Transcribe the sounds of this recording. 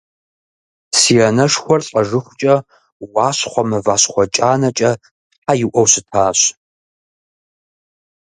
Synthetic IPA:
siːɐnɐʂxʷɔrɬʼɐʐɨχʷʊt͡ʃʼɐ | waːɕχʷɔmɐvaːɕχʷɔt͡ʃʼaːnɐt͡ʃʼɐ | ħajɪwʔɔwsɨtʰaːɕ

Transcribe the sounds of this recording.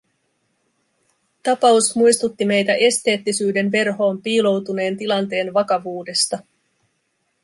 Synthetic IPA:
t̪ɑpɑusmujst̪ut̪ːime̞jt̪æʔe̞st̪e̞ːt̪ːisyːde̞nʋe̞rɦo̞ːmpiːlo̞wt̪une̞ːnt̪ilɑnt̪e̞ːnʋɑkɑʋuːde̞st̪ɑ

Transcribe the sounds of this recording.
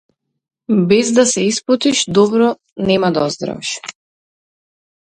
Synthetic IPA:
bɛzd̪asɛisplˠɔt̪iʃd̪ɔbɾɔ | nɛmad̪aɔzd̪ɾa̰vɛ̰ʃ

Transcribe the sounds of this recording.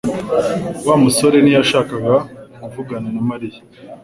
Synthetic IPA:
waːmuso̞ɾe̞nijaʃaːkaɡakuvuɡananamaɾija

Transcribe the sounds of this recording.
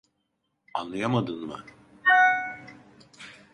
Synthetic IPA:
anlˠajamad̪ɯnmɯ

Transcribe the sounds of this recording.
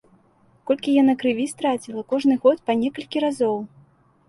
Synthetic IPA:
kɔlʲkʲijanakɾɨvʲist̪ɾat͡sʲilˠɐkɔʐnɨɣɔt̪panʲɛkɐlʲkʲiɾazɔw

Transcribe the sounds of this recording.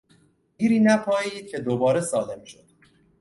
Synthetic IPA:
iːɾiːnæpʰɒːiːd̪̥̚cʰe̞d̪obɒːɾe̞sɒːle̞mʃod̪̥̚

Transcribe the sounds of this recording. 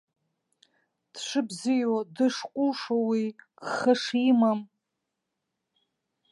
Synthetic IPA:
d̥ʂɨbzijodɨʂqʷʼʊlʂowiɡχəʂimam

